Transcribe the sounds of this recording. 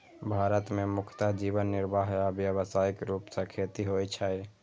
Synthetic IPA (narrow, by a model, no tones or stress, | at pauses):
bʱaɾət̪memukʰt̪ad͡ʒibənːiɾbʱaɦabjəβsaikɾupsãkʰet̪iɦojt͡ʃʰaj